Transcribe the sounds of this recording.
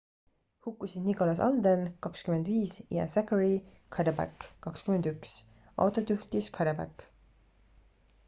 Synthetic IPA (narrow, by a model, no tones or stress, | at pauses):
hukːˑusid̪niko̞lɑsɑ̰ld̪enkɑkskymend̪viːsjɑ̰sækəɾi | kʰɑd̪ɑbæ̰kːɑkskymend̪yks | ʔɑ̰wt̪ˑot̪yht̪iskʰɑd̪ɑbæ̰kː